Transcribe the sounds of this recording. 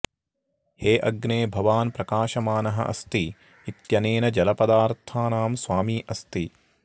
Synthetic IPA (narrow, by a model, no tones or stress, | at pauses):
heːʔɐɡneːbʱɐʋaːnpɾɐkaːʃɐmaːnɐɦɐ̰ʔɐ̰st̪iː | t̪jɐneːnɐd͡ʒɐlɐpɐd̪aːɾt̪ʰaːnaːmsʋaːmiːʔɐst̪i